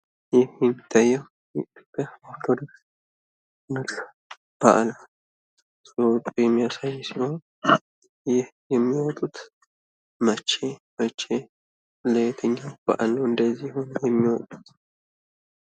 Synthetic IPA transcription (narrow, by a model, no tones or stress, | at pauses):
jɪhjɛmːit̪ʰːajːɛw | kəhoɾt̪ʰod̪oks | nɨt̪ʼ | b̥a̰ʔla | sʼowt̪ʼujɛmːijasajːsion | jɪhjɛmːiwɔt̪ʼut̪ | mət͡ʃːemət͡ʃːe | let̪ʰəɲːawb̥a̰ʔloɨnd̪əzːihonjɛmːiwɔt̪ʼu̥t̪